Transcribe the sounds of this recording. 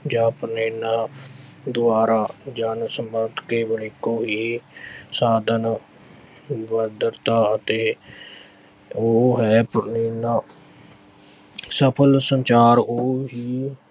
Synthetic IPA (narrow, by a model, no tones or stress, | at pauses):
d͡ʒaːpɾəneːnaːd̪ʊaːɾaːd͡ʒaːnsəmbəːd̪keːʋəɳikoːɦiːsaːd̪ən | ʋəd̪əɾt̪aːət̪eː | oːɦɛːpneːnaː | səpʰəlsənt͡ʃaːɾoːɦiː